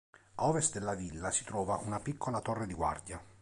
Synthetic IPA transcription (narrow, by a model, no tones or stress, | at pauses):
ɔːvest̪̚d̪elːavilːasi̥t̪ɾɔːvaʔunapikʰːolat̪orːed̪iɡwa̰rd̪ja